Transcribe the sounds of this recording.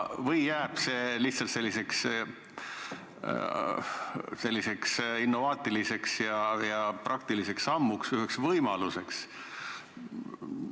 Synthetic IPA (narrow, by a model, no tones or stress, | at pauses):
vɤjːæːb̥seliht̪sɑlt̪se̞lʲːise̞ks | se̞lʲːise̞ksinːo̞vɑːt̪ʲˑilise̞ksjɑjɑprʔɑkt̪ilise̞ksɑmːuksyɦeksvɤjmɑluse̞ks